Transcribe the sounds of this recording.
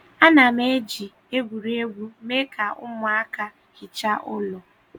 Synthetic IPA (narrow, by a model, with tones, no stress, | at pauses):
a˦na˨me˦d͡ʒi˨ | e˦ɡʷu˨ɾe˦ɡʷu˦me˦kʰa˨ʔʊ˦mʊ˨a˦ka˦ | hɪ˨t͡ʃa˦ʔʊ˦lɔ˨